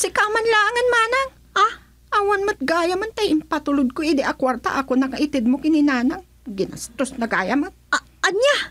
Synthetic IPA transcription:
sɪkamanlaʔaŋɐnmaːnaŋ | a | ʔawanmat̪̚ɡaːjamant̪ɐjɪmpat̪ʊlʊd̪̚koʔɪd̪ɛʔakwaɾt̪a̰ʔakonɐkaʔɪt̪ɛd̪̚mokɪninaːnaŋ | ɡɪna̰st̪osnɐɡa̰ːjaman | ɐnja

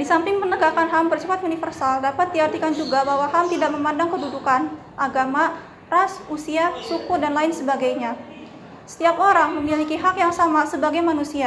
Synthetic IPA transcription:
disampɪŋmənəɡakanɦambərsifat̪unifərsaldapat̪̚diart̪ikand͡ʒuɡabaɦwahamt̪idaʔməmandaŋkədudukan | ʔaɡama | rasusiasukʊrdanlaɪnsəbaɡajɲa | sə̥t̪iapoɾaŋməmilikiɦakjaŋsamasəbaɡajmanusia

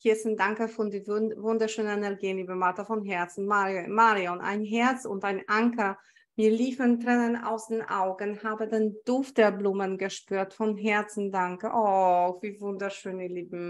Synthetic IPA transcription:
hiɐsndaŋkəfɔdivvʊndɐʃøːnənɛnɛɐɡiːnliːbəmatɐfɔnɦɛɐt͡sn̩mamaːʁiɔnʔa̰ɪnɦɛɐt͡sʊntaɪnʔaŋkɐ | miːɐliːfəntʁ̥ɛnəna̰ʊsd̥eːnʔa̰ʊɡənhaːbədend̥ʊft̚d̥eːɐbluːmənɡəʃpyːɐtfɔnɦɛɐt͡sn̩daŋkəʔɔv̥iːvʊndɐʃøːniliːbm̩

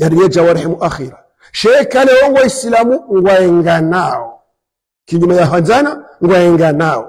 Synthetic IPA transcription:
jaɾijad͡ʒawaɾhɛmuʔaxiɾa | ʃɛkalɛwɔŋɡwaisilamuŋɡwaɛŋɡanaɔ | kiɲumajaɦanzanaŋɡwaɛŋɡanaɔ̰

